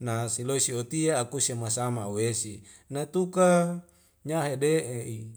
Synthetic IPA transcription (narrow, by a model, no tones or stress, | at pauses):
nasiloisiot̪iaːkusemasamawesi | nat̪uka | ɲaɦedeʔeʔi